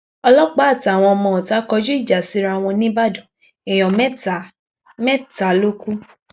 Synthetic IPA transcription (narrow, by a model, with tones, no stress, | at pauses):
ɔ˧lɔ˦ɡ͡ba˦a˦˨ta˨w̃ɔ̃˧ɔ˧mɔ̃˧˨ta˨˦kɔ˧˦d͡ʒu˦i˦˨d͡ʒa˨si˨˦ɾa˧˨w̃ɔ̃˧nĩ˦ba˦˨dɔ̃˨ | e˨j̃ɔ̃˨m˦˨ | mɛ˦ta˨˦lo˦ku˦